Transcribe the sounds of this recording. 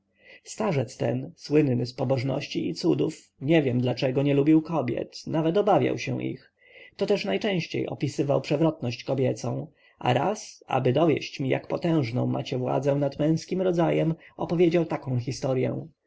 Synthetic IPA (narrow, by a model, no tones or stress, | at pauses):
st̪aʐɛt̪st̪ɛ̰nswɘnnɘspɔbɔʐnɔ̰ɕt͡ɕiit̪sud̪uf | ɲɛvʲjɛmd̪lat͡ʂɛɡɔɲɛlubʲiwkɔbʲjɛ̰t̪navɛt̪ɔbavʲja̰wɕɛ̰̃ʔḭx | t̪ɔt̪ɛʂnajt͡ʂɛ̃w̃ɕt͡ɕḛjʔɔ̰pʲisɘvawpʂɛvɾɔt̪nɔɕt͡ɕkɔbʲjɛt̪sɔ̃w̃ | ʔa̰ɾasa̰bɘd̪ɔvʲjɛ̰ɕt͡ɕmʲija̰kpɔt̪ɛ̃w̃ʐnɔ̃w̃mːa̰t͡ɕɛvwa̰d̪zɛ̃nad̪mɛ̃w̃skʲimɾɔzajɛmɔpɔvʲjed͡ʑawt̪akɔ̃w̃xʲist̪ɔɾjɛ̰w̃